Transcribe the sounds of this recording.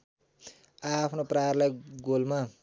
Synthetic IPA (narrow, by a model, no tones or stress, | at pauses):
apʰnoprarlajɡolma